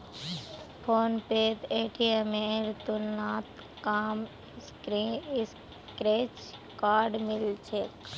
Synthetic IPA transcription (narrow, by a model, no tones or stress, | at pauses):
pʰoːnpeːt̪eːʈʰiemẽɾt̪unaːt̪ | kaːm | skɾis | kɾeːt͡ʃ | kaːɾɖmɪlt͡ʃʰek